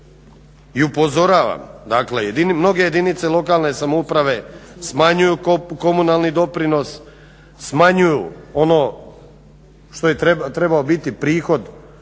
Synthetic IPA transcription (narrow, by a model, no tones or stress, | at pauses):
iupo̞zo̞ɾaːʋa̰md̪aklejed̪imno̞ɡeje̞d̪init̪se̞lˠo̞kaːlne̞samoupɾaʋe̞smaɲujuko̞munalˠnid̪o̞pɾino̞sː | maɲujṵo̞no̞ː | ʃt̪o̞jet̪et̪ɾebaobit̪ipɾiːxo̞d̪